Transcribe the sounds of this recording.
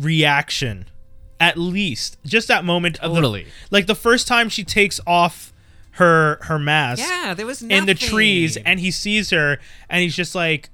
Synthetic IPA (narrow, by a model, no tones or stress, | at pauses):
ɹiækʃɨ̰̃nɨtˡlist̚d̥ʒ̥ʌst̪̚ðɨt̚mõʊ̃mɨ̃ntʌvvðˠḭlaɪk̚ðəfɜ˞stʰãɪ̃mʃitʰeɪksɔf | hə˞hə˞mæsðwnɪ̃nðɨtʰɹ̥izɨ̃nisiz̥hə˞ʔɨ̃nizd͡ʒʌst̚ˡlaɪk